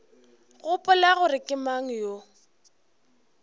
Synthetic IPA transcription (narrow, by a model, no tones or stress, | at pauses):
ɣʊpʼʊlaɣʊrɪkʼɪmaŋ̩jo